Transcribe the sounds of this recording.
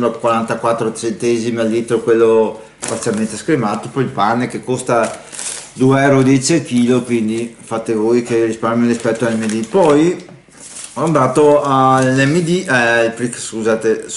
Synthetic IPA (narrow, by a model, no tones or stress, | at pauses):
makwaɾant̪akwat̪ːɾot͡ʃ̪ɾent̪ɛzimalːiːt̪ɾokwelːo | spat̪sjalment̪eskɾimaːt̪opɔilpanːekekːost̪a | d̪ueɛwɾod̪it͡ʃekiːlokwind̪ifaːt̪evojkerispaɾmjoɾispɛt̪ːoalɛmːed̪ipɔj | and̪aːt̪oalːɛmːed̪iɛilpɾikskuzaːt̪e